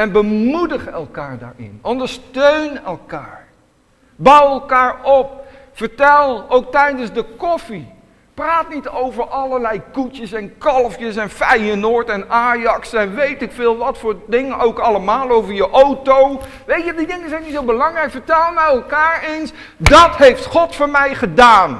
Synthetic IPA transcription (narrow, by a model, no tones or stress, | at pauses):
ɛnbəmudəχɛlˠkaːɹda̰ːɹɪ̰nɔndəɹstøɥnɛlˠkaːɹ | bɑwɛlˠkaːɹɔp̚ | fəɹtɛlˠowk̚tɛjdənzdəkɔfi | praːtnitowvəɹʔɑləɹlɛjkutjəsɛnkɑlˠəfjəsɛnfɛjənoːɹtɛnaːjɑksɛnʋejtɪkfɪːlˠʋɑtfʊːɹdɪŋənʔowkɑləmaːlˠowvəɹjəʔowtow | ʋejtjədidɪŋənzɛjnitsowbəlɑŋrɛjkfəɹtɛlˠmɛjɛlˠkaːɹejns | dɑtɦejftχɔtfʊːɹmɛjχədaːn